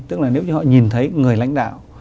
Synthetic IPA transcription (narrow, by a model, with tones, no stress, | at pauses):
t̪ɨ˦˥k̚laː˨˩ne˨˦wt͡ɕɔ˨˦ɔ̰˧˨ɲi˨˩nt̪ʰə˨˦jŋɨ˨˩əjla̰˧˥jŋ̟ɗa̰ː˧˨w